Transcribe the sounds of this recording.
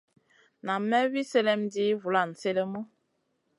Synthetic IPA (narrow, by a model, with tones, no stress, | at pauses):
na˨mːɛ˦wi˦se˦lɛ˦mdi˦vu˨la˦˨n̩˨se˦lə˦mɔ˦